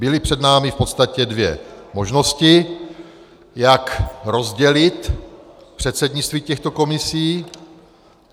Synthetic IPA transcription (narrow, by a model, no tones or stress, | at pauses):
bɪlɪpr̝̥ɛdnaːmɪfpot̪st̪acɛdvjɛ̰mo̞ʒno̞scɪ | jakɾozɟɛlɪt̪pr̝̥ɛt̪sɛdɲɪt͡st̪viːcɛxt̪oko̞mɪsiː